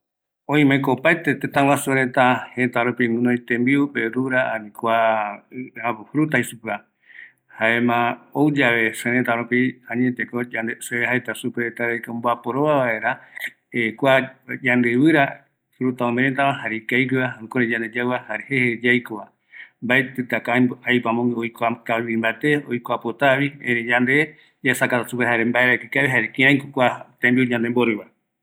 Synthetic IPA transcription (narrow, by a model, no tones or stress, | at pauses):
õĩmẽkoːpajt̪et̪et̪ãwasueɾet̪ahẽt̪aɾupimɨ̃noit̪embiupeɾuɾaanĩkʷa | ahɾut̪aisupɨa | haemãowd͡ʒaβe̞sẽɾet̪aɾupiãɲet̪ekod͡ʒand̪eseehaet̪asupeɾet̪aɾejkomboapoɾoβaβaeɾa | ekʷad͡ʒand̪ɨβɨɾa | ɾut̪aomẽɾet̪aβãhaɾikajkiβaãkoɾed͡ʒãnd̪ed͡ʒaβahaɾehehed͡ʒajkoβa | mbaet̪ɨt̪akaajpamõojkakaβiimbaet̪eojkʷapot̪aβiẽɾẽd͡ʒand̪e | d͡ʒasakat̪asupeɦaɾembaeɾakikaβiɦaɾekĩãj̃kokʷat̪embiod͡ʒãnd̪emboɾɨβa